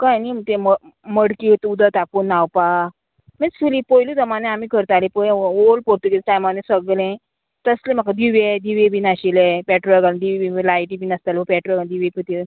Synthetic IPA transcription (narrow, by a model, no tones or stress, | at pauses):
kajnit̪ẽmə | məɽkit̪ud̪ət̪apunːawpa | mesulipɔjlud̪əmanẽamikəɾt̪alepəjolpoɾt̪uɡelʈajmanẽsəɡlẽ | t̪əslẽm̤akad̪iʋed̪iʋebinaɕilepɛʈɾɡald̪iʋibilajʈibinəst̪alebəpɛʈɾoɡad̪iʋekət̪i